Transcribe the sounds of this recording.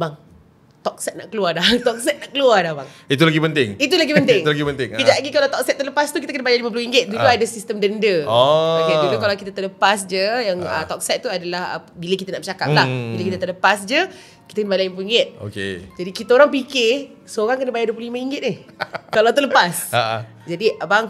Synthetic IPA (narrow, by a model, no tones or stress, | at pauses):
baŋ | t̪ɔk̚sɛt̪na̰ʔkəluadat̪ɔk̚sɛt̪̚naʔkəluadahbaŋit̪̬ulaɡipənt̪ɪŋit̪ulaɡipənt̪ɪŋlaɡipənt̪ɪŋkəd͡ʒaʔɡikalawt̪ɔk̚sɛt̪̚ːələpast̪ukit̪akənəbajalimãp̬luiŋɡɪt̪̚duluadasist̪əmdəndəɔaadulukalawkit̪at̪ərləpasd͡ʒəjaŋə̰t̪ɔk̚sɛt̪̚ːuadalahə̰bilək̬it̪anaʔmət͡ʃakap̚lahbilakit̪at̪ələpasd͡ʒə | kit̪akənəbalaimpluiŋɡɪt̪̚o̰kḛd͡ʒadikit̪aoɾaŋpikɪ | soɣaŋkənəbajaduəp̬lulimaiŋɡɪt̪̚nɪhkalawt̪̬uləpasaa̰ | d͡ʒadibaŋ